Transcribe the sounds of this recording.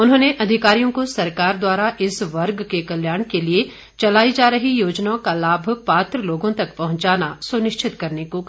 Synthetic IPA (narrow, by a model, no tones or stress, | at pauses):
ʊnɦõːneʔɐd̪ʱɪkaːɾijõkosɐɾkaːɾd̪waːɾaʔɪsʋɐɾɡkekɐljaːɳ̃kelie | t͡ʃɐlaːid͡ʒaːɾɐɦijoːd͡ʒnaõkalaːbʱpaːt̪ɾəloːɡõt̪ɐkpɐɦʊ̃ɲt͡ʃaːnasʊnɪʃt͡ʃʰɪt̪kɐɾneko